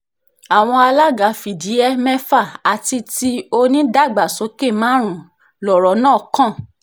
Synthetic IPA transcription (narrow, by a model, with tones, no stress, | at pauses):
a˨w̃ɔ̃˧a˧la˦ɡa˨˦fi˨di˨˦ɛ˦mɛ̃˦fa˦˨a˨ti˧ti˦o˧nĩ˦da˦˨ɡ͡ba˨sɔ˨˦ke˦˨mãː˦ɾ̃ũ˨ | lɔ˨ɾɔ˨˦nãː˦˨kã˦˨